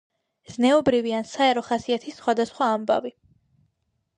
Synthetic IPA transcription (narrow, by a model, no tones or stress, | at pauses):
z̥nɛɔbɾiviansaɛɾɔχasiat̪ʰisːχwad̪asχwaːmba̰vi